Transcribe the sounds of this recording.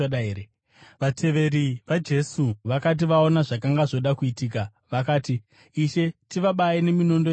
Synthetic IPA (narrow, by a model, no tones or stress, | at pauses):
ɗaeːe | ʋatʰe̞ʋe̞ɾiʋad͡ʒe̞suʋakat̬iʋao̞naʐakaŋɡaʐo̞ɗakuitiːk̬a | ʋakaːtiː | ʃe̞tiʋaɓaine̞mino̞ndo